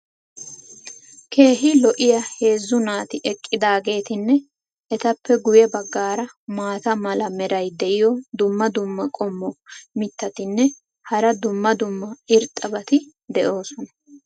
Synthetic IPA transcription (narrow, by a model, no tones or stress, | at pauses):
kʰe̞ːɦɪlɔʔɪjɐhe̞ːzːʊnaːt̪ɪʔɛkʼːɪd̪aːɡe̞ːt̪ɪnːɛ | ʔɛt̪ɐpːɛɡʊjɛbɐɡːaːɾɐ | maːt̪ɐmɐlɐmɛɾɐjd̪ɛʔɪjɔd̪ʊmːɐd̪ʊmːɐkʼɔmːɔmɪt̪ːɐt̪ɪnːɛ | hɐɾɐd̪ʊmːɐd̪ʊmːɐɪɾt̪ʼɐbɐt̪ɪ | d̪ɛʔo̞ːsɔnɐ